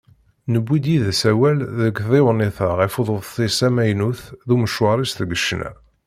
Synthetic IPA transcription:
nəbːid̪jiðsæwælðəɡðewniθəʁɪfuðˤoðˤθisæmæjnuθðuməʃwɑɾˤist̪ɡəʃnæ̰

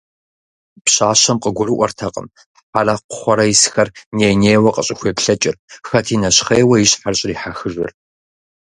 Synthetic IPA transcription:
pɕaːɕɐmqʼəɡʷʊrɨʔʷɔ̰rtʰɐqʼə̰m | ħalɐqʷʊ̥χʷɔɾɐjisxɐrneːjneːwɐqʼəɕʼɪxʷeːpɬɐt͡ʃʼɪrxɐtʰiːnɐɕχeːwɐjɪɕħarɕʼɪriːħaxɨʐɨ̰r

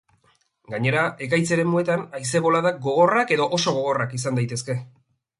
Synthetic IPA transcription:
ɡaɲe̞ɾae̞kajt͡se̞ɾe̞mue̞t̪anajse̞βo̞laðaɡo̞ɣ̞o̞rake̞ðo̞ʔoso̞ɣ̞o̞ɣ̞o̞rakis̬and̪ajt̪e̞ske̞

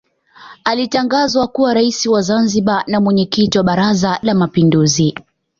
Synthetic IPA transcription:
alitaŋɡazwakuwaɾaisiwazanziɓanamwɛɲɛkitiwaɓaɾazalamapinduzi

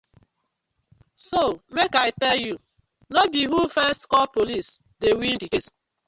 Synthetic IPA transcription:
somekaɪtɛlju | nobiɦufɛstkɔpolis | dewindiket

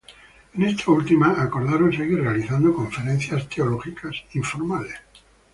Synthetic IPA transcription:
ene̞st̪ʰault̪imaːko̞ɾðaɾonseɣire̞aliθand̪okõ̞ɱfe̞ɾen̟θjast̪eoloxikasiɱfo̞ɾmales

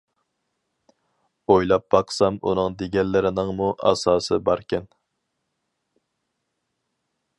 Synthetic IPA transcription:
ojlˠɑp̚b̥ɑqsɑmṵnɨŋd̪eɡʲɛnːɪɾɪnɪŋmuʔɑ̰sɑːsɨbɑɾkʲɛn

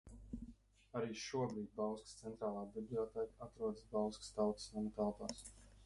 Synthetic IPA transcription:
aɾiːʃuɔbɾiːd̪̚bawˠskst̪sɛnt̪ɾaːlˠaːbiblˠiɔt̪ɛːkat̪ɾuɔd̪ɨsbawˠskst̪awt̪samut̪alˠpaːs

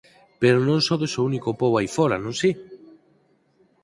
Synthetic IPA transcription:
peɾonõŋsoðesounikopowajfoɾanõŋsi

